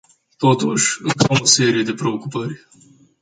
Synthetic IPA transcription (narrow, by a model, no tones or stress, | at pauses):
t̪o̞t̪uʃʲɨŋkawose̞ɾije̞d̪e̞pɾe̞okupərʲ